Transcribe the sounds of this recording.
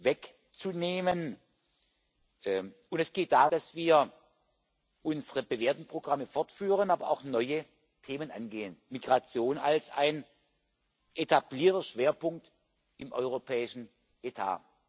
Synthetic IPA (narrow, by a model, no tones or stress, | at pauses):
vɛk | t͡suneːmən | ʊntɛsɡ̥eːt̚d̥aːdasv̥iːɐ | ʔʊnzəʁəbəveːɐtn̩pʁ̥oɡʁaməfɔɐtfyːʁənaːbɐʔa̰ʊxnɔʏə | tʰeːmənʔa̰nɡeːənmiɡ̥ʁat͡sjoːna̰lsa̰ɪn | ʔetʰabliːɐtɐʃv̥eːɐpʊŋk̚t | ɪmʔɔ̰ʏʁ̞opʰɛːɪʃn̩ | ʔetʰa̰ː